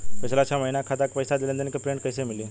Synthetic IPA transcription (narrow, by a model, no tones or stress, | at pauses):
pəsʰlat͡ɕʰaməɦinakʰat̪akpəjsad̪elent̪enkəpɾeɳʈ̚kəjsemili